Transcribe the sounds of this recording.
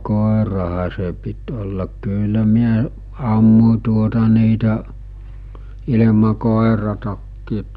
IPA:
koˑerɑhɑ se pit olːɑk kylːæ miæ ɑmːu̟ tuotɑ niːtæ ilemɑ koˑerɑtɑkːiːt

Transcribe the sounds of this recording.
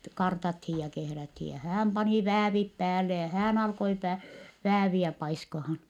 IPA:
kɑrtɑthij jɑ kehræthi jɑ hæːm pɑni ʋæːʋip pæːlːe jɑ hæːn ɑlkoi pæ ʋæːʋiæ pɑiskɑhɑn

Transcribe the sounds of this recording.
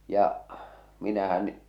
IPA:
jɑʔ minæhæn

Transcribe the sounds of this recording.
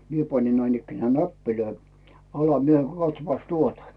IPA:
mie pɑnʲin næinikːenæː næpːiløi ɑlɑ mie kɑtsŏpːɑs tuotɑ

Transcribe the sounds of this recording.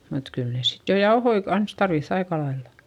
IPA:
mut kyl ne sit jo jɑohoi kɑns tɑrʋiθː ɑikɑlɑilːɑ

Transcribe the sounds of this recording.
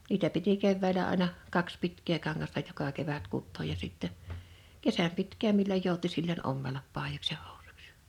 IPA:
niːtæ piti keʋːæˑĭlæ ɑˑĭnɑ kɑks pitkˑeː kɑŋːɑstɑ jokɑ keʋæt kutːoːj jɑ siˑtːɛ kesæm pitkˑæːm milːoj joˑuti silːonʲ ʔomːelɑp ʔpɑˑijoks jɑ ho̥u̥su̥ks j̊ɑ̥

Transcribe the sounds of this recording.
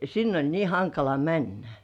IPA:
sinː olʲ niː hɑŋkɑlɑ mænːæ

